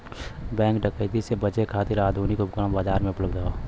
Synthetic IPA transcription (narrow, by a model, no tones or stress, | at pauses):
bɛ̃ːŋk̚ɖəkəɪt̪isebət͡ʃekʰaːt̪ɪɾaːd̪ʱuːnikʊp̚kambaːzaːɾmẽʊpləbd̪aoː